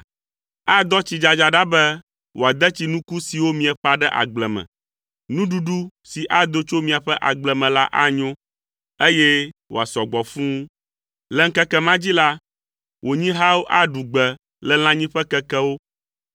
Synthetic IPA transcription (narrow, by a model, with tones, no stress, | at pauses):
a˦d̪ɔ˦t͡ɕi˨d͡ʒa˨d͡ʒa˨ɖa˦bɛ˦ | wʔo˨a˨d̪ɛ˦t͡ɕi˨nũ˦ku˦si˨wo˦mĩ˨ɛ˨ɸa˨ɖɛ˦ʔa̰˨ɡ͡blɛ˨mɛ̰̃˨ | nũ˦ɖu˦ɖu˦si˨ʔa˦d̪o˦t͡ʃo˦mĩ˨a˨ɸɛ˦ʔa˨ɡ͡blɛ˨mɛ̃˨la̰˦ʔa˦ɲõ˦ | e˦jɛ˦wo̰˨a˨sɔ˨ɡ͡bɔ˨fũ˦ | lɛ˦ŋ̩˦kɛ˦kɛ˦mã˦d͡ʑi˦la˦ | wʔo˨ɲĩ˦ɦa˦wo˦ʔa˦ɖu˨ɡ͡bɛ˨ | lɛ˦l̃ã˦ɲĩ˦ɸɛ˦kɛ˦kɛ˦wo˦